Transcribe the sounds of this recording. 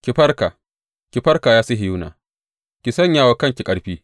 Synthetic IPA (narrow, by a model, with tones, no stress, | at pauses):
kʲɪ˨ɸɐ˦rka˨ | kʲɪ˨ɸɐ˦rka˨jaː˦si˦ɦɪ˨juː˦na̰ː˨ | kʲɪ˨sɐ˦˨ɲjaː˦wa˦kɐ˦ŋkʲi˨kʼɐ˦ɽɸiː˦